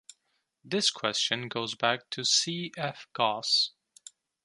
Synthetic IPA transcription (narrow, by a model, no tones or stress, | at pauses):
ðɪskʰw̥ɛst͡ʃɨ̃nɡoʊzbæk̚tʰɨsiɛfɡ̥ɑs